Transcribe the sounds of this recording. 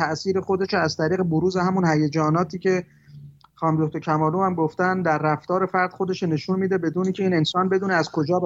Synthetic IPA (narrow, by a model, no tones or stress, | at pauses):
æʔsiːɾe̞xo̞d̪e̞ʃoæzt̪ʰæɾiːɣeboɾuːzehæmunhæjed͡ʒɒːnɒːt̪ʰiːce̞ | χɒːmd̪oht̪ocʰæmɒːluːhæmɡoft̪ænd̪æɾːæft̪ɒːɾe̞fæɾd̪̥xo̞d̪e̞ʃone̞ʃunmiːd̪e̞be̞d̪uːniːcʰe̞iːnensɒːnbe̞d̪uːneæzkʰo̞d͡ʒɒːb